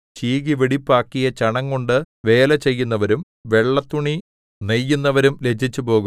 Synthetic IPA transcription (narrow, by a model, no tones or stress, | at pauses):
t͡ɕiːɣiʋiɽipːaːkːijɐt͡ɕɐɳɐŋːoɳɖɨ | ʋe̞ːlɐt͡ɕe̞jːun̪ːɐʋɐɾum | ʋe̞ɭːɐt̪ːuɳi | nejːunːɐʋɐɾumle̞t͡ɕʰːit͡ɕːupo̞ːɣum